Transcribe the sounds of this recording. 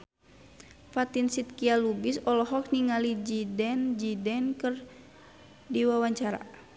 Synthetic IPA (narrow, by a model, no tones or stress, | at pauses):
fat̪insit̪̚kialubisɔlɔɦɔk̚niŋalid͡ʒidɛnd͡ʒidɛnkər | diwawaɲt͡ʃaɾa̰